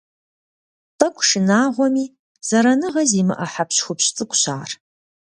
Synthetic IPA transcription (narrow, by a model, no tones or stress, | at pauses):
pɐkʷʼʂɪnaːʁʷɔmiː | z̥ɐɾɐnɨʁɐziːmɨ̰ʔɐħapʰɕxʷʊpɕt͡sʼɨkʷʼɕaːr